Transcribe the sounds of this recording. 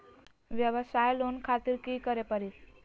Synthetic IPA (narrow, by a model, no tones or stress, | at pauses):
ʋjəʋəsajlonkʰat̪iːɾkikəɾepəɾit̪